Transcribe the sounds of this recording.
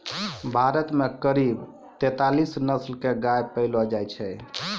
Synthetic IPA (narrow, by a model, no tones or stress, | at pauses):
bʱaɾət̪mekəɾib | t̪ɛt̪alisnəslkeɡajpəlɔd͡ʒajt͡ʃʰɛ